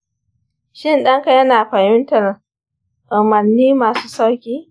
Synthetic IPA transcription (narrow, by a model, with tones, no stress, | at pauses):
ʃɪ˦nɗɐ˦ŋka˨jɐ˦naː˨ɸɐ˨hɪ˦ntɐ˨r | ʔʊ˨mɐ˨nːiː˦maː˨su̥ː˦sa˦wkʲiː˦